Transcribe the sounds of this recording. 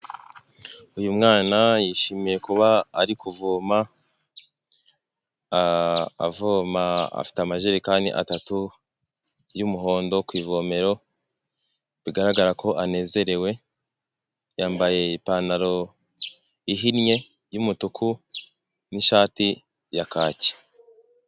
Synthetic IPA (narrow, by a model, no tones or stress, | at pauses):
ujumŋaːnajiʃimije̞kuβaːɾikʰuvoːma | voːmaa̰fi̥tamaʒeːɾikaːndḭʔa̰tatu | jumuɦo̞ːndo̞kwiːvo̞ːme̞ɾo̞ | βiɡaɾaɡaɾakʰo̞ʔane̞ːze̞ɾe̞we̞ | jaːmbaje̞ipaːnaɾo̞ | iɦinɲe̞ | jumutukʰu | niʃaːti | jakaːce̥